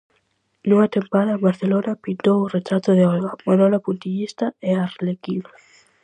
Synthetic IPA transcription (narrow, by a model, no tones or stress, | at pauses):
nũŋat̪empaðaβaɾθelonapint̪owuret̪ɾat̪oðeoɣamanolapunt̪iʎist̪aearlekina